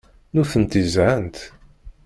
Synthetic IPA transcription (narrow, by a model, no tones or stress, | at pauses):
nuθənt̪izʕənt̪